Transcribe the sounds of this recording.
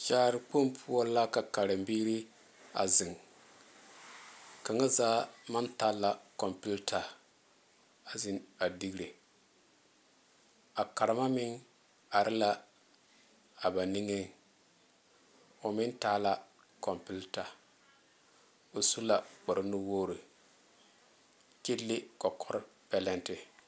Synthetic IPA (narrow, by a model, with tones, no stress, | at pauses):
ʃaː˦ɾɪ˨k͡pu˦mpʰu˦ɔ˦la˦ka˨ka˨ɾɨ˨mbiː˦ɾi˦ | a̰˨zɪ˨ŋ | ka˨ŋa˦zaː˦ma˦ntaː˦la˨kɔ˨mpi˦ltʰa˨ | a˨zɪ˦na˨di˦ɡɾe˨ | a˨ka˨ɾɪ˨ma˦mɪ˦ŋ | a˨ɾʔɪ˦la˦ | a˨ba˨ni˦ŋe˦ŋ | ʊ˨mɪ˦ntaː˦la˨ | kɔ˨mpi˦lta˨ | o˨su˦la˨k͡pɔ˨ɾɪ˦nu˦woː˦ɾi˨ | ke˦lːe˦kɔ˨kʰɔ˦ɾpɛ˦lɛ˦ntɪ˨